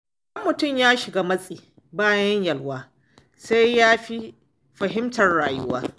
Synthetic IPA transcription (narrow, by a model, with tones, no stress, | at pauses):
ʔɐ˦mːʊ˨tʊ˦˨mjaː˦ʃɪ˨ɡaː˦mɐ˦sʼiː˨ | baː˦jɐ˦ɲjɐ˨lwaː˦ | sa˦jjaː˦ɸi˦ | ɸɐ˨ɦɪ˦mtɐ˨rɽaː˨jʊ˦waː˦